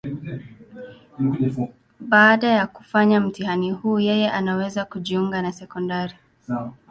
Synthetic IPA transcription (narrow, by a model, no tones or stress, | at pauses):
ɓaːɗajaku̥faɲam̩tihanihuːjɛjɛʔanawɛzakuʄiuŋɡanasɛkɔndaɾi